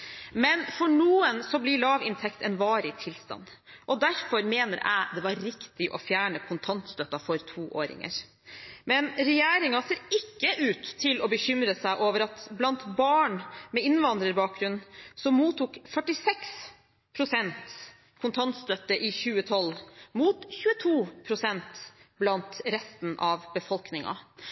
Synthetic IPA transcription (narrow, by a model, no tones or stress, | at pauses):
mɛnfɔɳuːənsɔblɪɭɑːʋɪnt̪ʰɛkt̪ɛnʋɑːɾɪt̪ʰɪlst̪ɑ̰nʔɔd̪æɾfɔɾmeːnə̰ɾʔæ̰ɪd̪ɛʋɑɾɾɪkt̪ɪʔɔfjæːɳəkʰʊnt̪ʰɑnt̪st̪œt̪ːɑfɔɾt̪ʰuːʔoːɾɪ̰ŋə̰ɾ | mɛnɾɛjeːɾɪŋɑseːɾɪkːəʔʉːt̪ʰːɪlɔbəçʏmɾəsæɪʔoːʋəɾɑt̪blɑnt̪bɑːɳmɛɪnʋɑnd̪ɾəɾbɑːk̚ɡɾʉnnsɔmmuːt̪uːkfœʈɪsɛks | pʰɾʊsɛnt̪ | kʰʊnt̪ʰɑnt̪st̪œt̪ːəʔɪçʉːət̪ʰɔlmuːt̪çʉːət̪ʰuːpʰɾʊsɛnt̪blɑnt̪ɾɛst̪n̩ʔɑʋbəfɔlknɪŋɑ̰